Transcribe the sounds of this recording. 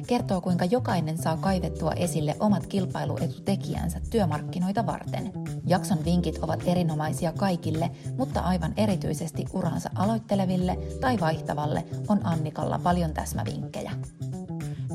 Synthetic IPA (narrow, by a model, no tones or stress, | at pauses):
ke̞rt̪o̞ːkujŋkɑjo̞kɑjne̞nsɑːkɑjʋe̞t̪ːuɑ̰ʔe̞silːe̞ʔo̞mɑt̪k̟ilpɑjlṵʔe̞t̪ut̪e̞kiæ̰nsæt̪ːyømɑrkːino̞jt̪ɑʋɑ̰rt̪e̞̰njɑksɑnʋiŋkit̪ʰo̞ʋɑt̪e̞ɾino̞mɑjsiɑkɑjkilːe̞mut̪ːɑ̰ʔɑjʋɑne̞ɾit̪y̰jse̞st̪iʔuɾɑ̰ːnsɑ̰ʔɑlo̞jt̪ːe̞le̞ʋilːe̞t̪ɑjʋɑjht̪ɑʋɑlːe̞̰ʔo̞nʔɑnːikɑ̰lːɑ̰pɑljo̞nt̪æsmæ̰ʋḭŋkːe̞̰jæ̰